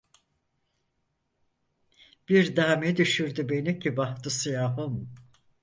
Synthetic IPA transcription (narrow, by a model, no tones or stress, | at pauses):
b̥iɾd̪aːmɛd̪yʃyɾd̪ybe̞nicʰibaht̪ʰɯsijaːɦɯm